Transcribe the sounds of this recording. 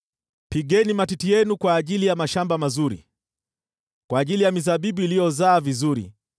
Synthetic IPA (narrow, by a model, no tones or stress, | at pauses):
piɠɛnimatitijɛnukwaːʄilijamaʃambamazuɾḭ | kwaːʄilijamizaɓiɓuilijɔzaːvizuɾḭ